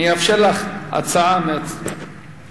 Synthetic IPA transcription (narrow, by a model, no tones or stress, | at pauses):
iafʃelaχa̰t͡saameat͡s